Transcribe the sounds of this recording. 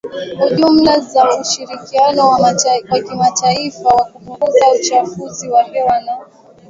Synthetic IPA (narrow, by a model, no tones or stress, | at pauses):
huʄum̩lazauʃiɾikianɔwakimataifawakupuŋɡuzaut͡ʃafuziwahɛwana